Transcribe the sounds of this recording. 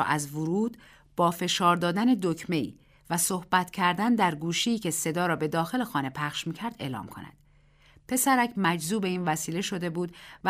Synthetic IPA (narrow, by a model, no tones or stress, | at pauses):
ʔæzvoɾuːd̪ | b̥ɒːfe̞ʃɒːɾd̪ɒːd̪æne̞d̪ocʰme̞ḭː | væsohb̥æt̪ʰcʰæɾd̪ænd̪æɾɡuːʃiiːcʰe̞se̞d̪ɒːɾɒːbe̞d̪ɒːxe̞le̞xɒːne̞pʰæχʃmiːcʰæɾd̪e̞̰ːlɒ̰ːmkʰo̞̰næ̰d̪̥ | pʰe̞sæɾæcʰmæd͡ʒzuːbe̞iːnvæsiːle̞ʃo̞d̪e̞buːd̪væ